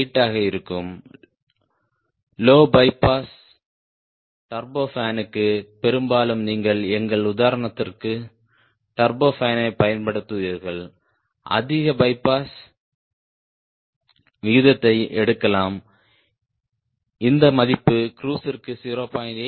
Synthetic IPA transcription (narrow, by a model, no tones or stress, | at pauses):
ʈːaːɣɐɪɾɯkːɯm | loːbɐɪpaːs | ʈɐɾboːfaːnɯkːɯpɛɾɯmbaːlɯmniːŋɡɐɭɛŋɡɐɭʊðaːɾɐɳɐt̪ːɪrkɯ | ʈɐɾboːfaːnɐɪpɐjɐnpɐɽɯt̪ːɯʋɐɾɣɐɭ | ʔɐ̰ðɪɣɐbɐɪpːaːs | ʋɪɯðɐt̪ːɐɪʔɛɽɯkːɐlaːm | ɪnd̪ɐmɐðɪpːɯkɾuːsɪrkɯsiːɾoːpaːjne